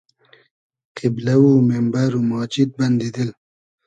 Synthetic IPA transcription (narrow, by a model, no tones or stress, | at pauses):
qɪblawuːmembaɾumɑːt͡ʃit̪̚bɐnd̪id̪il